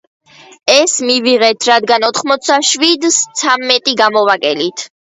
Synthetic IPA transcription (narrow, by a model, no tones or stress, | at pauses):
ɛsmiviʁɛt̪ʰɾad̪ɡanɔt̪ʰχmɔt̪sʰaʃwid̪st̪sʰamːɛt̪ʼiɡamɔvakʼɛlit̪ʰ